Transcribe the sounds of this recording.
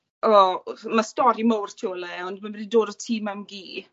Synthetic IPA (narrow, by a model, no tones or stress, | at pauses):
ɔmastɔɾimowrtʰiɔlɛɔndmanbɛdidoːdɔtʰiːmamɡiː